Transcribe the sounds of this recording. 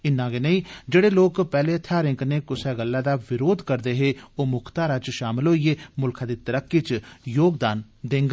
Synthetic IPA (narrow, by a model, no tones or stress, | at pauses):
ɪnːãːɡeːnəĩːd͡ʒeːɽeːloːkpɛːleːət̪ʰːaːɾɪ̃ŋɡneːkʊsɛːɡəlːaːd̪aːʋɪɾoːd̪kəɾd̪eːɦeːoːmʊkʰt̪aːɾaːt͡ʃʃaːmɪlɦoːiːeːmʊlkʰãːd̪iːt̪əɾəkːit͡ʃjoːɡd̪aːn | d̪eŋɡ